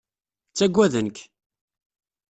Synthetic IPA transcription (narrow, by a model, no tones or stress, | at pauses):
t͡sːæɡʷːæðənk